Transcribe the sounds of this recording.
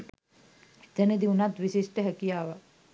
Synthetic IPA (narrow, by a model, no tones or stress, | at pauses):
t̪ɐned̪iunat̪ʋisisʈəɦɐkijaːʋa